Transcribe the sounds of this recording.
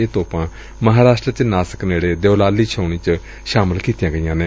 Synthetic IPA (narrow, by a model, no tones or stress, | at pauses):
eːt̪oːpãː | məɦaːɾaːʃʈɾət͡ʃnaːsə̥kneːɽeːd̪eoːlaːliːt͡ʃʰoːɳ̃iːt͡ʃə | ʃaːməlkiːt̪ijãːɡəijãːneː